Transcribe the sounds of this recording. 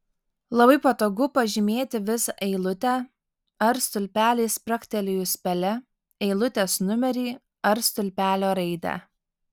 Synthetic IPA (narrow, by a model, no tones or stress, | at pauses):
lˠɐbɐɪpɐt̪oːɡʊpɐʒʲɪmʲeːt̪ʲɪʋʲɪsɐʔɛɪlˠʊt̪ʲæː | ɐɾst̪ʊlʲpʲæːlʲɛɪspʲɾɐkʲt̪ʲɛlʲɪjʊsʲpʲɛlʲɛ | ɛɪlˠʊt̪ʲeːsnʊmʲɛɾʲiː | ɐɾst̪ʊlʲpʲæːlʲoːɾɐɪd̪ʲæ̰ː